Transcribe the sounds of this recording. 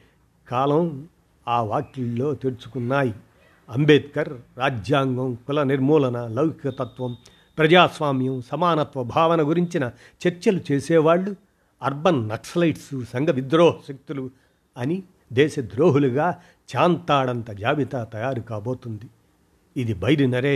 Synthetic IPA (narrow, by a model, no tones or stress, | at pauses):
kaːlɐ | aːʋaːkːilːo̞ːt̪eɽut͡ʃu̥kunːaːji | ɐmbeːt̪kɐɾːaːd͡ʒjaːŋɡɐmkulɐniɾmuːlɐnɐlɐwkikɐt̪ɐt̪ʋɐm | pɾɐd͡ʒaːsʋaːmjɐmsɐmaːnɐt̪ʋɐbʱaːʋɐnɐɡuɾiɲt͡ʃinɐ | t͡ʃeɾt͡ʃɐlut͡ʃeːsɛːʋaːɭːu | ɐɾbɐnːɐkslɐjʈsusɐŋɡɐʋid̪ɾoːɦɐʃɐk̚t̪ulu | ɐni | d̪ɛːʃɐd̪ɾoːɦuluɡaː | t͡ʃaːnt̪aːɽɐnt̪ɐd͡ʒaːʋit̪aːt̪ɐjaːɾukaːbo̞ːt̪und̪iː | d̪ibʱɐjɾinɐɾeː